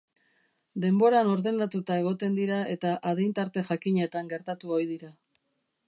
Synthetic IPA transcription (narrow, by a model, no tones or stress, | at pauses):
d̪e̞mbo̞ɾano̞ɾðe̞nat̪ut̪ae̞ɣ̞o̞t̪e̞nd̪iɾae̞t̪aʔaðejnt̪aɾt̪e̞ʝakiɲe̞t̪aŋɡe̞ɾt̪at̪uo̞jðiɾa